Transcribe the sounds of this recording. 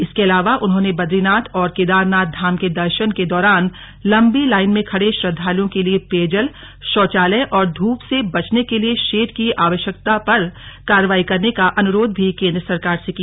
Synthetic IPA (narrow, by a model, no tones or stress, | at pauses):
ɪskeɐlaːʋaʔʊnɦõːnebɐd̪ɾinaːt̪ʰɔːɾkeːd̪aːɾnaːt̪̚d̪ʱaːmked̪ɐɾʃənked̪ɔːɾaːn | lɐ̃mbilaːɪnmẽkʰɐɽeʃɾɐd̪ʱːaːlijõkeliepeːd͡ʒəl | ʃɔːt͡ʃaːlɛʔɔːɾd̪ʱuːpsebɐt͡ʃnekelieʃeːʈkiʔaːʋəʃjək̚t̪apɐɾkaːɾəʋaːikɐɾnekaʔɐnʊɾoːd̪̚bʱikẽːnd̪ɾəsɐɾkaːɾsekia